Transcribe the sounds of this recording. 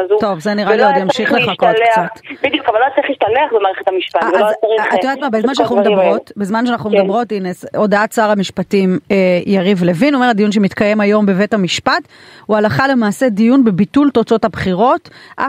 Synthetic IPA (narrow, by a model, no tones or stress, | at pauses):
azt̪o̞vzeniʁaliojamʃiχleχakokt͡satbid̪jukavalot͡saʁiχiʃtaleaχbemaːʁeχet̪amiʃpavelot͡saʁiaoat̪mabezmanʃ̬eanaχnumedmʁotbezmanʃ̬eanaχnumd̪ambʁo̞tineso̞d̪aat̚t͡saːʁamiʃpatimejaʁivle̞vinuome̞ʁad̪ijunʃ̬emit̪kaje̞majo̞mbe̞ve̞thamiʃpat | ualaχale̞maːse̞dijunbebitult̪o̞t͡so̞thabχiʁo̞tʔa